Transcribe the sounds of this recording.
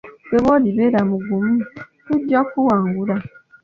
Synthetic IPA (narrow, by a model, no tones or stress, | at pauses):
bebɔdibeɾamũɡumũ | ud͡ʒɔkuwaŋɡuɾa